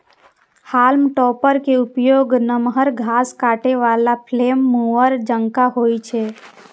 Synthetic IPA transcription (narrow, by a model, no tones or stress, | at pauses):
haːlmʈɔːpəɾkeupjoːɡnəmɦəɾɡʱaːskaːʈeʋalapʰleːmːuəɾd͡ʒə̃ŋkaɦoːit͡ʃʰe